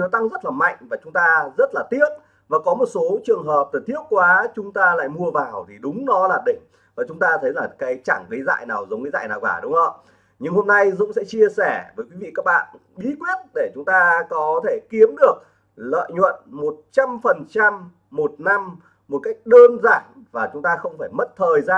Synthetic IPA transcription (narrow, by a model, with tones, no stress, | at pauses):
ɔ˨˦t̪a˧ŋzə˦˥t̚laː˨˩ma̰˧˨jŋ̟vaː˨˩t͡ɕʊ˨˦ŋ͡mt̪aː˧zə˦˥t̚laː˨˩t̪i˦˥əp̚ | vaː˨˩kɔ˨˦mo˨˩t̚so˨˦t͡ɕɨ˨˩əŋɦəː˨˩p̚t̪ɨ˨˩t̪i˦˥əp̚kwaː˨˦t͡ɕʊ˨˦ŋ͡mt̪aː˧la̰ː˧˨jmu˧əvaː˨˩wt̪ʰi˨˩ɗʊ˨˦ŋ͡mnɔ˨˦laː˨˩ɗḭ˧˨ŋ̟ | vaː˨˩t͡ɕʊ˨˦ŋ͡mt̪aː˧t̪ʰə˨˦jlaː˨˩kaː˨˦jt͡ɕa˧˩ŋɣə˨˦jza̰ː˧˨jnaː˨˩wzə˨˦wŋ͡mɣə˨˦jza̰ː˧˨jnaː˨˩wkaː˧˩ɗʊ˨˦ŋ͡mŋə̰˧˨ | ɲɨ˧ŋho˧mna˧jzʊ̰˧˥ŋ͡msɛ̰˧˥t͡ɕi˧əsɛ˧˩vəː˨˦jkwi˨˦vḭ˧˨kaː˦˥k̚ɓa̰ː˧˨n | ɓi˨˦kwi˦˥ət̚ɗe˧˩t͡ɕʊ˨˦ŋ͡mt̪aː˧kɔ˨˦t̪ʰe˧˩ki˨˦əmɗɨ˨˩ək̚ | lə̰ː˧˨jɲwə̰˧˨nmo˨˩t̚t͡ɕa˧mfə˨˩nt͡ɕa˧mː | o˨˩t̚na˧mː | o˨˩t̚ka˦˥jk̟̚ɗəː˧nza̰ː˧˨ŋvaː˨˩t͡ɕʊ˨˦ŋ͡mt̪aː˧xə˧wŋ͡mfaː˧˩jmə˦˥t̚t̪ʰəː˨˩jzaː˧